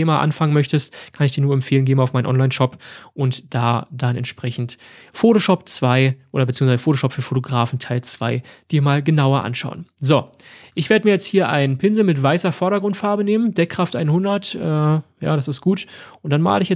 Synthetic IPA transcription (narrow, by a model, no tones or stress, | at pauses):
eːmaːʔa̰nfaŋənmœçtəstkʰanɪçd̥iːɐnuːɐɛmfeːlənɡeːbm̩aʊmaɪnʔɔ̰nlaɪnʃɔpʔʊntd̥aːd̥anɛ̰ntʃpʁ̥ɛçn̩tfoːtoʃɔp̚t͡sv̥aɪʔoːdɐbət͡siːŋsvazəfoːtoʃɔpfyːɐfotoɡʁaːfn̩tʰaɪlt͡sv̥aɪd̥iːɐmaːlɡənaʊɐʔa̰nʃa̰ʊənzo | ʔɪçv̥eːdəmiːɐjɛt͡sthiːɐʔa̰ɪnpʰɪnzl̩mɪtv̥aɪsɐfɔɐɾɐɡʁʊntfaːɐbəneːmənd̥ɛkʁ̥aftʔaɪnhʊndɐtʔɛːja̰ːɾasɪstɡ̥uːtʔʊntd̥anma̰ːləɪçjɛ